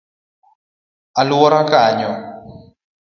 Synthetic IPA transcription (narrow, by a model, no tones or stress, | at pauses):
aluwɔɾakaɲɔ